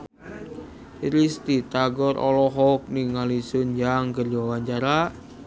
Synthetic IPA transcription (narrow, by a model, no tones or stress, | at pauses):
ɾist̪it̪aɡɔɾʔɔ̰lɔɦɔk̚niŋalisund͡ʒaŋkərd͡ʒawaɲt͡ʃaɾaʔ